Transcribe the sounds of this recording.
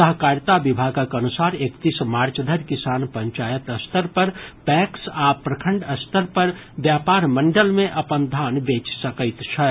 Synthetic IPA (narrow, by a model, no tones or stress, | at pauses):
səɦkaɾjt̪abibʱaɡəkənusaɾekt̪ismaːɾt͡ʃd̪ʱəɾkisaːnpəɲt͡ʃajət̪əst̪ʰəɾpəɾpɛksapɾəkʰəɳɖəst̪ʰəɾpəɾ | bjapaɾməɳɖəlmẽʔəpənd̪ʱanbet͡ʃsəkəjt̪t͡ʃʰə